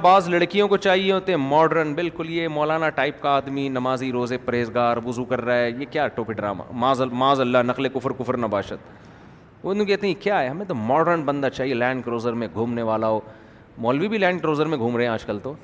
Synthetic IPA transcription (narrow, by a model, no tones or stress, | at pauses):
baːzlɐɽkijõkot͡ʃaːɦieɦoːt̪eɦɛ̃mɔːɖɾənbɪlkʊljemɔːlaːnaʈaːɪp̚kaaːd̪minɐmaːziɾoːzepɐɾeːzɡaːɾʋʊzukɐɾːaːɛːjekjaːʈoːpiɖɾa̰ːma̰ːmãːzɐmãːzɐlːanɐqlekʊfɾkʊfɾnɐbaːʃət̪̚ | onõkɛːt̪eɦɛ̃kjaːɦɛɦɐmẽt̪omɔːɖəɾənbɐ̃nd̪at͡ʃaːɦielɛ̃ːɳɖkɾoːzəɾmẽɡʱuːmneʋaːlaɦoː | mɔːlʋibʱilɛ̃ːɳɖkɾoːzəɾmẽɡʱuːmɾɐɦẽaːd͡ʒkɐlt̪oː